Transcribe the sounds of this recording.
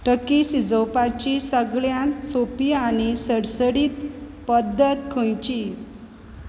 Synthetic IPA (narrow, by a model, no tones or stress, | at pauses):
ʈəkisid͡zəwpat͡ɕisəɡɭjãnt̪sopiaɽ̃isəɽsəɽiːt̪pəd̪ːət̪kʰõjt͡ɕi